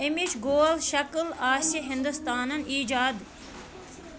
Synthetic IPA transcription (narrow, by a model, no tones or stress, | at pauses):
ɪmit͡ʃɡoːlʃɐklaːʃiɦɪnd̪ust̪aːnɐniːd͡ʒaːd̪